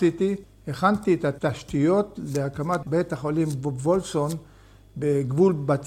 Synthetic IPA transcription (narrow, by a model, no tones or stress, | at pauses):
sit̪i | eχant̪iet̪at̪aʃt̪ijo̞tleakamatbet̪aχolimvolson | beɡvulbat͡s